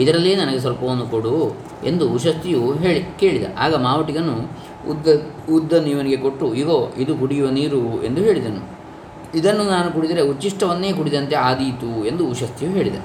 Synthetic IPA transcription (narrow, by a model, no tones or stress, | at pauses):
id̪ɐɾɐlːeːnɐnɐɡes̬ɐlpɐʋonːukoɽu | e̞̰nd̪uːʃɐst̪ijuɦeːɭike̞ːɭid̪ɐ̰ʔaːɡɐmaːʋɐʈiɡɐnːu | ud̪ːɐ | ud̪ːɐniːʋɐniɡe̞ko̞ʈːuiɡoːid̪ukuɽijuʋɐniːɾue̞̰nd̪uɦe̞ːɭid̪ɐnṵ | id̪ɐnːunaːnukuɽid̪iɾeut͡ʃːiʂʈɐʋɐnːe̞ːkuɽid̪ɐnt̪e̞aːd̪iːt̪ue̞nd̪uːʃɐst̪ijuɦe̞ːɭid̪ɐ̰